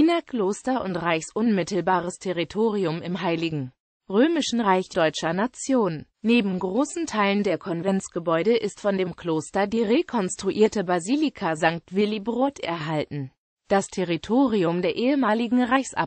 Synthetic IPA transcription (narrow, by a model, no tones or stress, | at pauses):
ʔinɐkʰl̥oːstɐʔʊntʁaɪçsʔʊnmɪtl̩baːʁ̞əstʰeʁitʰoːʁiʊmɪmɦaɪlɪɡŋ̩ | ʁøːmɪʃn̩ʁaɪçd̥ɔʏt͡ʃɐnat͡sjoːn | neːbm̩ɡʁoːsn̩tʰaɪləndeːɐkʰɔnvɛnt͡sɡ̥əbɔʏɾəʔɪstfɔndeːmkloːstɐdiːʁekʰɔnstʁ̥uʔiːɐtəbaziːlikʰazaŋk̚tv̥ɪlibʁoːtʔɛ̰ɐɦaltn̩ | d̥astʰeʁitʰoːʁiʊmdeːɐʔeːəmaːlɪɡŋ̩ʁaɪçsʔa̰